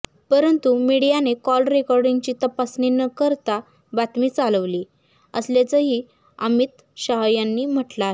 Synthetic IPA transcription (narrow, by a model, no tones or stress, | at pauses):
pəɾənt̪umiɽijanekɔlɾekɔɾɖiŋɡt͡ɕiːt̪əpasninəkəɾt̪a | bat̪miːt͡saləʋliː | əsljet͡səɦiː | ə̰miːt̪ | ɕaɦjanːiːm̤əʈlaɦe